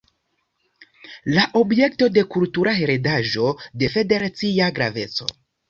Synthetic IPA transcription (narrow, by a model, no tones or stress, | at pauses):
laʔo̞bje̞kto̞de̞kultuɾʔaɦeɾedaʒo̞de̞fe̞de̞ɾat͡siaɡɾa̰ve̞t͡so̞̰